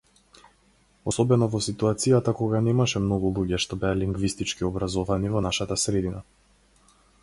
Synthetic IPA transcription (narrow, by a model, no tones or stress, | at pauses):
ɔsɔbɛnɔvɔsit̪uat̪sijat̪akɔɡanɛmaʃɛmnɔɡulˠuɟɛʃt̪ɔbɛaliŋɡvist̪it͡ʃkiɔbɾazɔvanivɔnaʃat̪asɾɛd̪ina